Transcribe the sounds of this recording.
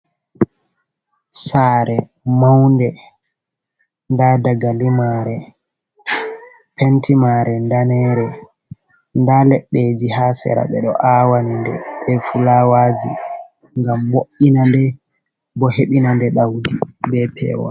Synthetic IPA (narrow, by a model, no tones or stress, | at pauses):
saːɾɛ | mawndɛ | ndadaɡalimaɾɛ | pʰɛntimaɾɛndanɛːɾɛ | ndalɛɗːed͡ʒihaːsɛ̰ɾa̰ɓɛɗɔ̰ʔawandɛɓɛfulawaːd͡ʒḭ | ŋɡamːoʔinandɛ | bɔheɓinandɛɗawdibɛpʰɛ̰ːwɔ̰